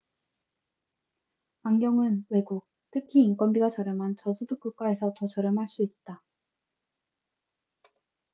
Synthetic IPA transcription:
aŋɡjʌŋɯnwe̞ɡuk̚ | tʰɯkʰiːŋk͈wʌnbiɡat͡ɕʌɾjʌmɦant͡ɕʌsʰuduk͈uk͈ae̞sʰʌtʌt͡ɕʌɾjʌmɦaɭs͈uit̚t͈a

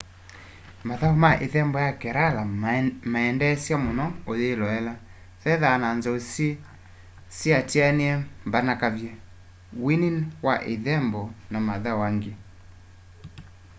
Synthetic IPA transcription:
maðaomaʔeðɛmbɔjakɛɾalamaɛndɛsjamonɔoðelɔɛla | ðɛðananzɔs | siatianeɛmbanakavjɛ | wininwaʔeðɛmbɔnamaðawaŋɡe

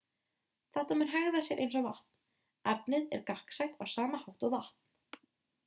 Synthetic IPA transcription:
θaht̪amɛɾɦɛɣðasjɛɾʔḛjnsɔɣva̰ht̪n̥ | ɛpnɪðɛ̰ɾkahksajht̪ḁsaːmahawht̪ɔɣvaht̪̚n̥

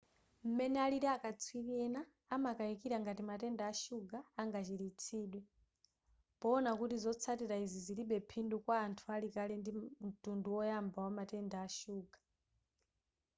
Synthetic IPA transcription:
m̩mɛnɛaliɾiakat͡sʰwiβɛnaː | makaikiɾaŋɡatimatɛndaːʃuɡaːŋɡat͡ʃiɾit͡sʰiːɗwɛ | pɔːnakutizɔt͡sʰatiɾaiziziliɓɛpʰindukwaːntʰualikalɛndim̩tunduwɔjambawamatɛndaːʃuːɡḁ

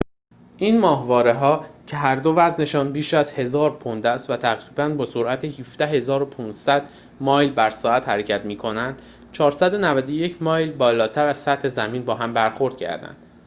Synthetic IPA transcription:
ʔiːnmɒːhvɒːɾeɦɒːcʰe̞ɦæɾd̪o̞væzne̞ʃɒːnbiːʃæzhe̞zɒːɾpʰond̪æst̪væt̪ʰæɣɾiːbænbɒːso̞ɾʔæt̪ʰehiːfd̪æhɦe̞zɒːɾopʰuːnsæd̪ | mɒːjlbæɾsɒːæt̪hæɾecʰæt̪miːkʰo̞nænd̪̥ | t͡ʃʰɒːɾsæd̪o̞nævæd̪oje̞cʰmɒːjlbɒːlɒːt̪ʰæɾæz̥sæt̪he̞zæmiːnbɒːɦæmbæɾxo̞ɾd̪̥̚cʰæ̰ɾd̪æ̰nd̪̥

